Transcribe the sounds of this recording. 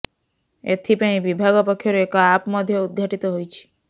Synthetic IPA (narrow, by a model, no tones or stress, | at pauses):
ḛt̪ʰipañibibʱaɡopɔkʰːjoɾekaapmɔd̪ʱjoud̪̚ɡʱaʈit̪oɦojt͡ɕʰi̥